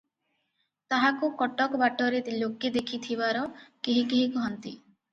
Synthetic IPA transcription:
t̪aɦakukɔʈɔkɔbaʈɔɾeloked̪ekʰit̪ʰibaɾɔkeɦikeɦikɔɦɔnt̪i

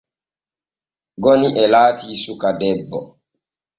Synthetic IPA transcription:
ɡɔniʔɛlaːtiːsukadɛbːɔ

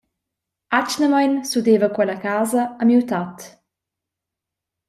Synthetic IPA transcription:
at͡ʃnəmajnsudevəkwɛləkaːzəəmiwt̪at̪

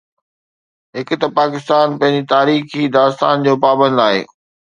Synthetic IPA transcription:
ɦɪkʊ̆t̪ɐpaːkɪst̪aːnpɐ̃ɦɪ̃ɲd͡ʑit̪aːɾiːxid̪aːst̪a̰ːnd͡ʑoːpaːbə̃nd̪aːḛː

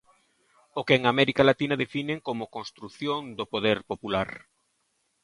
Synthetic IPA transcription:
okeeŋamɛɾikalat̪inaðefineŋkomʊkõnst̪ɾuθjoŋd̪opoðɛɾpopulaɾ

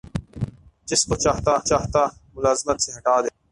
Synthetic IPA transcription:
d͡ʒɪskot͡ʃaːt̪aːt͡ʃaːɦt̪aːmʊlaːzɪmət̪seɦɐʈaːd̪eː

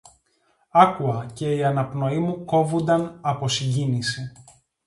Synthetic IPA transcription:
ɐkuɐce̞iɐnɐpno̞imuko̞vund̪ɐnɐpo̞siɟinisi

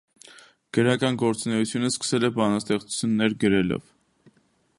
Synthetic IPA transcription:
ɡ̥əɾɑkɑnɡɔɾt͡sunɛjut͡sʰjunəskə̥sɛlɛbɑnɑst̪ɛχt͡su̥t͡sʰjunːɛɾɡəɾɛlɔ̰v

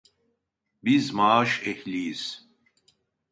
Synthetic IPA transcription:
bizmaːʃɛhliːz̥

